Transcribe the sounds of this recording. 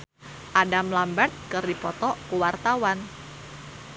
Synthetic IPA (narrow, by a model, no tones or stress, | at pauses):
ʔadamlambat̪̚kɨrdipɔt̪ɔkəwart̪awan